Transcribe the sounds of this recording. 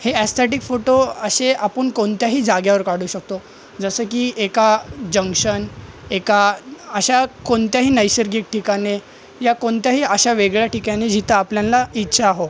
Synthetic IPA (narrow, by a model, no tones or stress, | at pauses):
heæst̪ʰeʈ̬ikfoʈoəɕeapəɳkoɳt̪jaɦiːd͡zaɡjaʋəɾkaɽuːɕək̚t̪o | d͡zəsəːk̬iːʔekad͡ʑəŋkʂən | ekaəɕakoɳt̪jaɦiːnəjɕəɾɡiːk̚ʈʰikane | jakoɳt̪jaɦiːəɕaʋeɡɭjaʈikaned͡ʑit̪aːpljãnlaitːɕʰaːɦo